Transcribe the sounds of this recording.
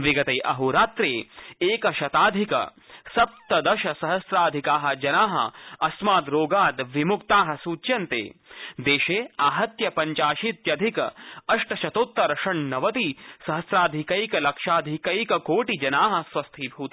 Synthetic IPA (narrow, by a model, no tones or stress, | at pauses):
ʋiɡɐt̪ɐjʔɐɦuɾaːt̪ɾeːeːkɐʃɐt̪aːd̪ʱikɐ̰ | sɐp̚t̪ɐd̪ɐʃɐsɐɦɐsɾaːd̪ʱikaːɦɐ̆d͡ʒɐnaːɦɐ̰ɐsmaːd̪ɾoːɡaːd̪ʋimukt̪aːɦɐ̆suːt͡ʃjɐnt̪ḛːd̪eːʃeːaːɦɐt̪jɐpɐɲt͡ʃaːʃit̪jɐd̪ʱikɐɐʂʈɐʃɐt̪oːt̪ːɾɐɾɐʂɐɳnɐʋɐt̪isɐɦɐsɾaːd̪ʱikɐjkɐlɐkʃaːd̪ʱikɐjkɐkoːʈid͡ʒɐnaːɦɐ̆sʋɐst̪ʰibʱuːt̪i